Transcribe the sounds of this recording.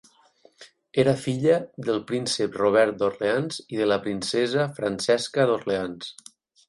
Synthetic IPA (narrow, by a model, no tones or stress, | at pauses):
eɾəfiʎəðəlˠpɾinsəproβ̞ɛɾt̪̚d̪orleanziðələpɾinsɛzəfɾansɛskəðorleans